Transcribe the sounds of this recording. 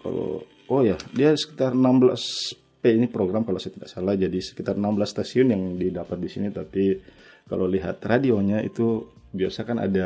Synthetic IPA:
ka̰lo̰ | ojadiasə̥kit̪arnambla̰s | peinipɾoɡɾamkalaosajat̪idaʔksalahd͡ʒadisə̥kit̪arnamblasːt̪asiʊnjaŋdidapat̪̚disinit̪api | kalowliɦat̪radioɲaḭt̪u | biasakana̰da

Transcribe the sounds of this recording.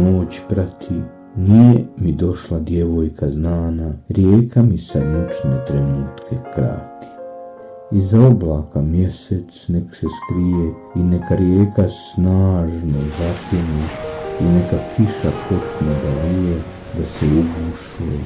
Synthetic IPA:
oːt͡ɕpɾat̪ʰi | nijemid̪o̞ʃlad̪je̞ʋo̞jkʰaznaːnaɾjeːkʰamisad̪nut͡ʃnet̪ɾenuːt̪kʰe̞kɾa̰ːt̪ʰi̥ | izaoblaːkamje̞set̪snekseskɾije | inekaɾjeːkasnaːʒnozapeneinekakʰiʃapʰo̞t͡ʃnod̪alije | d̪aseuɡuʃuḛ

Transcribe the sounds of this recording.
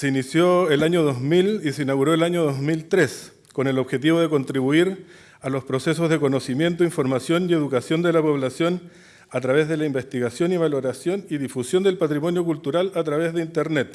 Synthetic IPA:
seinisjoelaɲoðo̞zmiliseinaɣuɾoelaɲoðozmilt̪ɾes | ko̞ne̞loβxe̞t̪̬iβoð̞e̞ko̞nt̪ɾiβuiɾ | alo̞spɾosesozðe̞ko̞no̞simje̞nt̪oiɱfo̞ɾmasjo̞nie̞ðukasjo̞nd̪elapo̞βlasjo̞n | at̪ɾaβezðe̞laimbe̞st̪iɣasjoniβalo̞ɾasjo̞niðifusjo̞nd̪elpat̪ɾimo̞njokult̪uɾalat̪ɾaβezðeint̪eɾnet̪

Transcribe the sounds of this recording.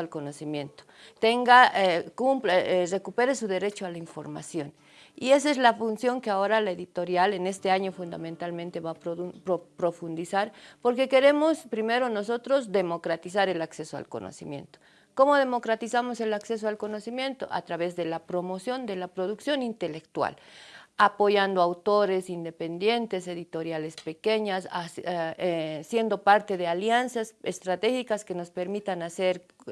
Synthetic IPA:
alkono̞simje̞nt̪o̥t̪e̞ŋɡaekupre̞kupe̞ɾesuðe̞ɾe̞t͡ʃoalaiɱfo̞̰ɾma̰sjo̞n | ie̞sezlafunsjo̞ŋkeao̞ɾalae̞ðit̪o̞ɾjale̞ne̞st̪e̞aɲo̞fund̪a̰mẽnt̪almẽnt̪e̞βapɾopɾo̞fund̪isaɾpo̞ɾke̞ke̞ɾe̞mo̞spɾime̞ɾo̞no̞so̞t̪ɾo̞zd̪e̞mo̞kɾat̪is̬aɾe̞lakse̞soa̰lko̰nʔo̰sḭmjḛnt̪o̥ | ko̞mo̞ðe̞mo̞kɾat̪isamo̞se̞lakse̞s̬oalko̞no̞simje̞nt̪o̞̰ʔa̰t̪ɾaβe̞zðe̞lapɾo̞mo̞sjo̞nd̪e̞lapɾo̞ðuksjo̞nint̪e̞le̞kt̪wa̰lapo̞ʝand̪oawt̪o̞ɾe̞sind̪e̞pe̞nd̪je̞nt̪e̞se̞ðit̪o̞ɾjale̞spe̞keɲasa | sje̞nd̪o̞paɾt̪e̞ðealjansasest̪ɾat̪e̞xikaske̞no̞spe̞ɾmit̪anase̞ɾ

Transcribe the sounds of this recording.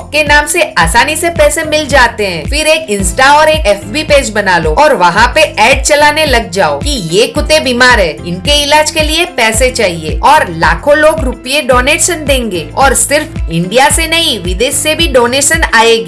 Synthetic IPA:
p̚kenaːmseaːsaːnisepɛːsemɪld͡ʒaːt̪eɦɛ̃ːfɪɾeːkɪ̃nsʈaɔːɾeːkɛːfbipeːd͡ʒbɐnaːloːɔːɾʋɐɦãpeɛːɖ̚t͡ʃɐlaːnelɐɡ̚d͡ʒaːo̰kijekʊt̪ebiːmaːɾɦɛːɪnkeɪlaːd͡ʒkeliepɛːset͡ʃaːɦiḛːɔːɾla̰ːkʰõloːɡɾʊpijeɖoːneːʈʃənd̪ẽːŋɡeːɔːɾsɪɾfɪ̃ɳɖijasenɐɦĩʋɪd̪eːʃːebʱiɖoːneːʃənaːeːɡ

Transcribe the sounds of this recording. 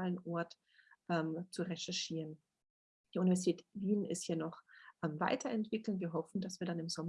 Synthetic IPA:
lənʔɔɐt | ʔɛːmt͡suʁɛʃɛɐʃiːʁən | d̥iːʔunivɛɐzitʰɛːtviːnɪsthiːɐnɔχʔamva̰ɪtʰɐʔɛntv̥ɪkl̩nviːɐɦɔfn̩dasv̥iːɐdanɪmzɔm

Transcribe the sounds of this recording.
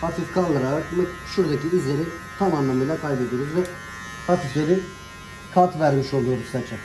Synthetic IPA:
at̪ʰɯkkʰanlːˠaɾaɾakmɯʃuɾd̪aciːzlʲeɾit̪ʰamanlˠamɯilˠakʰajbe̞d̪iɾyzvɛ | at̪ʰiklʲeɾi | kʰaɾt̪væɾmiʃo̞lˠujo̞ɾusæɾt͡ʃʰɛ

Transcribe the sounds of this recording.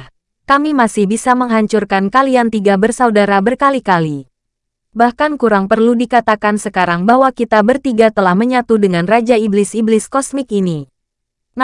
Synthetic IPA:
kamimasɪhbisaməŋɦaɲt͡ʃurkankaliant̪iɡabərsaudaɾabərkalikali | bahkankuɾaŋpərludikat̪akansəkaɾaŋbaɦwakit̪abərt̪iɡat̪əlahməɲat̪udəŋanrad͡ʒaiblɪsiblɪskɔsmɪkini

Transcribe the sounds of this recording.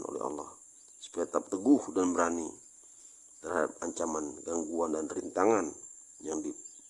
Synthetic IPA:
no̰lɛ̰a̰lːah | sə̥pɛt̪ap̚t̪əɡuhdanbəɾani | t̪ərhada̰p̚aɲt͡ʃamanɡaŋɡuandanrint̪aŋan | jaŋbi

